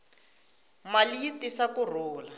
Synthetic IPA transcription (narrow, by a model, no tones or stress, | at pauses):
maliitisakʊruːla